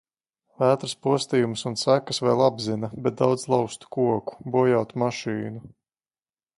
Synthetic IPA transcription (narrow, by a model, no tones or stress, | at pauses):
væːt̪ɾɨspuɔst̪ijumsunsækasvɛ̰ːlˠabzinɐbɛt̪̚d̪awd̪zlˠawst̪u̥kuɔku̥buɔjawt̪umaʃiːnu